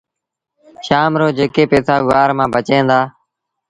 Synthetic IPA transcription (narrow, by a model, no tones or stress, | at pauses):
ʃaːmɾoːd͡ʒeːkeːpeːsaːɡʊaːɾmãːbʱət͡ʃẽːnd̪aː